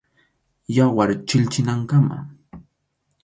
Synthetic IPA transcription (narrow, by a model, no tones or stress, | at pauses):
jawaɾt͡ʃɪʎt͡ʃɪnaŋkama̰